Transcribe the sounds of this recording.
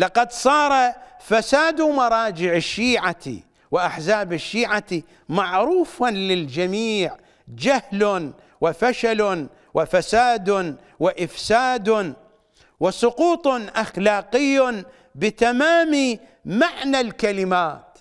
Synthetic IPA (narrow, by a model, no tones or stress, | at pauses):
lɑqɑd̪sˤɑːɾˤɑfasaːd̪umɑɾˤɑːd͡ʒɪʕɪʃːiːʕaḭ | wɪʔaħzaːbɪʃːiːʕati | maʕɾuːfanlɪld͡ʒamiːʕ | d͡ʒahln | wɪfaʃal | wʔɪfasaːd̪ | wɪʔɪfsaːd̪ | wɪsˤʊquːt̪ˤʊnʔaxlaːqɪjː | bɪt̪amaːmi | maʕnalkalɪmaːt̪